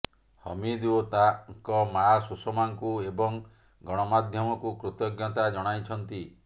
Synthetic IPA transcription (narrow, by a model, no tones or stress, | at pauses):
hɔ̰mid̪uot̪aŋkɔmasusɔmaŋkuebɔŋ | ɡɔɽ̃ɔmad̪ʱjɔmɔkukɾut̪ɔɡjɔt̪ad͡ʒɔɽ̃ajt͡ʃʰɔnt̪i